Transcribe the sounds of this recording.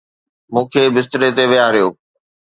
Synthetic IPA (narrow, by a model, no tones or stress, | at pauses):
mũːkʰeːbɪs̬t̪ɪɾet̪eʋɪjaɾɪjoː